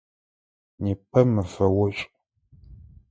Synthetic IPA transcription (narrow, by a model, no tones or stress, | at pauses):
nipʰɐmɨfɐwɔɕʼ